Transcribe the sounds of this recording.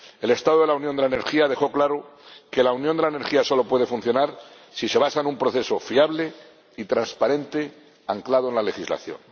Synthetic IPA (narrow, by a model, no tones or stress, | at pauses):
e̞le̞st̪aðoelaunjond̪elaene̞ɾxiaðe̞xo̞klaɾoke̞launjõnd̪elaeneɾxiaso̞lo̞pwe̞ð̞efunθjo̞naɾ | sise̞βasaenumpɾo̞θe̞so̞fiaβle̞ | it̪ɾanspaɾe̞nt̪e | aŋklað̞oe̞nlale̞xizla̰θjo̞̰n